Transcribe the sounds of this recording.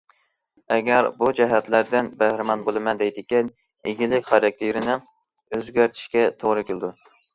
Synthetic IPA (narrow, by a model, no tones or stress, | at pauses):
ɛɡʲæɾbud͡ʒɛɦæt̪læɾd̪ɪnbæhɾɪmɑnbolˠɨmɛnd̪ɛjd̪ɪkʲin | iɡʲilɪkʲχɑɾɑk̚ʲt̪ʰeɾɪnɪ | øzɡʲæɾt̪ʰɪ̥ʃkʲɛt̪ʰoʁɾɨkʲʰɪlɪd̪u